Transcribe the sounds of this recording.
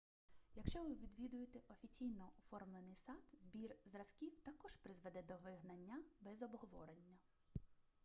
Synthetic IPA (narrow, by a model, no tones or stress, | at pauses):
jɐkʃt͡ʃɔʋɪʋʲid̪ʋʲid̪ʊjet̪eʔɔfʲit͡sʲijnɔɔfɔrmlˠenɪjsɑt̪zbʲirzrɐskʲiwt̪ɐkɔʒpɾɪzʋɛd̪ɛd̪ɔʋɪɦnɐnʲːɐbɛzɔbɦɔʋɔ̰ɾenʲːɐ